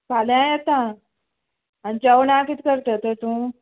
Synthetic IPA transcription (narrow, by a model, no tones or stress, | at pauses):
paljãjet̪ã | aɽit͡ɕəwɳãkit̪kəɾt̪ət̪əɾt̪ũː